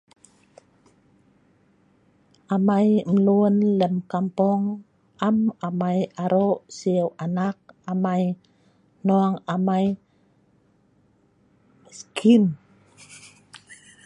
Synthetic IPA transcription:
ʔamajmlunləmkampɔŋ | ʔamamajaɾoʔsiəwʔanak̚amaj | noaŋamaj | skʰin

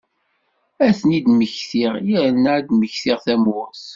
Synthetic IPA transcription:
æθənid̪məçθiʁjəɾnad̪məçθiʁθæmʊs

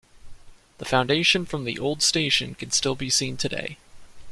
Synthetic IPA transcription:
ðəfãʊ̃ndeɪʃɨ̃nfɹʌ̃mðḭʔoʊlˠd̥steɪʃɨ̃nkʰɨ̃n̩stɪlˠbisĩntʰɨdḛɪ

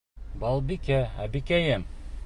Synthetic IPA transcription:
bɑlˠbikææ̰bikæjɘm

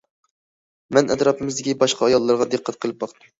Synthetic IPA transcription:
mɛnʔɛt̪ɾɑpɨmɪzd̪ɪkʲibɑʃqʰɑɑjɑlˠːɑɾʁɑd̪ɨqʰːɛt̪̚qʰəlˠɨp̚bɑqt̪ɨm

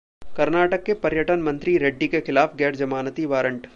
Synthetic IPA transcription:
kɐɾnaːʈəkːepɐɾjəʈənmɐ̃nt̪ɾiɾeɖːikexɪlaːfɡɛːʈd͡ʒɐmaːnət̪iʋaːɾəɳʈ

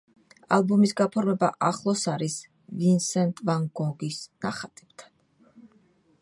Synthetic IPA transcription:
a̰lˠbɔmisɡapʰɔɾmɛbaʔaχlˠɔsaɾis | vinsɛnt̪ʼvaŋɡɔɡisna̰χat̪ʼɛbt̪ʰḁn

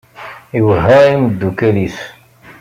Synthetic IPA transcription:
iwəɦːæiməd̪ːukæliθ

